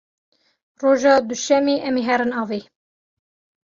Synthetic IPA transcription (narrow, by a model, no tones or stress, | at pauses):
roːʒɑːd̪uʃɛmeːʔɛmeːɦɛɾɨnɑːveː